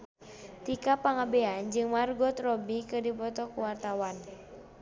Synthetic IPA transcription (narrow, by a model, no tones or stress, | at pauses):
t̪ikapaŋabɛand͡ʒɨŋmarɡɔt̪rɔbikɨdipɔt̪ɔkuwart̪awan